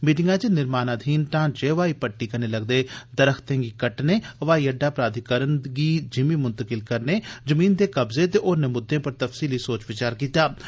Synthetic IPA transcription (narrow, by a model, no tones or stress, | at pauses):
miːʈɪŋɡãːt͡ʃenɪɾmaːnaːd̪ʱiːnʈãːd͡ʒeːʋaːiːpəʈːiːkəneːləɡd̪eːd̪əɾəkʰt̪ẽːɡiːkəʈneːʋaːiəɖːaːpɾaːd̪ʱɪkəɾənɡiːd͡ʒɪmiːmʊnt̪əkɪlkəɾneːzəmiːnd̪eːkəbzeːt̪eːʔoːɾneːmʊd̪ʱːẽːpəɾt̪əfsiːliːsoːt͡ʃʋɪt͡ʃaːɾkiːt̪aː